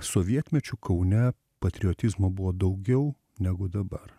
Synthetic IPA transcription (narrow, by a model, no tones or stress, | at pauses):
soʋʲiɛt̪ʲmʲɛt͡ʃʲukʰɐʊnʲɛ | pɐt̪ʲɾʲɪɔt̪ʲɪzmobʊʋoːd̪ɐʊɡʲɛʊ | nʲɛɡʊd̪ɐbɐr